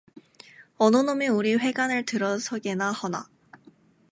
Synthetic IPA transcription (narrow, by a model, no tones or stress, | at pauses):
ononomʲiɯɾiɸe̞ɡanɯt̪ɯɾosoɡenahona̰